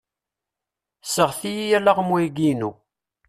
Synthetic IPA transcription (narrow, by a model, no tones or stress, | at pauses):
səʁθijijælaʁəmwuiɡinu